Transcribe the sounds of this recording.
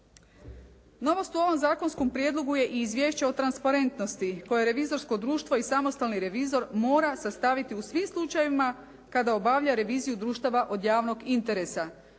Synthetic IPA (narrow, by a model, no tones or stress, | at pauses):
no̞ʋo̞st̪uo̞ʋo̞mzaːko̞nsko̞mpɾje̞d̪lˠo̞ɡuje̞ʔiːzʋje̞ːʃt͡ɕeo̞t̪ɾanspaɾe̞nt̪no̞st̪iko̞je̞ɾe̞ʋizo̞ɾsko̞d̪ɾuːʃt̪ʋo̞isamo̞st̪alniɾe̞ʋizo̞ɾmo̞ːɾasast̪aʋit̪iusʋimslˠut͡ʃajeima | kad̪ao̞baʋʎaɾe̞ʋiːzijud̪ɾuːʃt̪aʋaʔo̞d̪jaːʋno̞ɡint̪e̞ɾe̞sa